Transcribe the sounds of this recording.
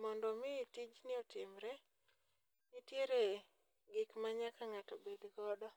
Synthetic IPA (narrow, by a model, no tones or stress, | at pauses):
mɔndɔmɪtid͡ʒnɪɔtɪmɾɛ | nɪtjeɾe | ɡɪkmaɲakaŋatɔbed̪ɡɔdɔ